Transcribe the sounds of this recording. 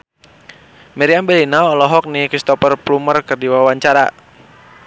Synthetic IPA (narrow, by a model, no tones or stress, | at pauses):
mɛɾiambɛlinaɔlɔɦɔk̚nikɾist̪ɔpərplumərkərdiwawaɲt͡ʃaɾa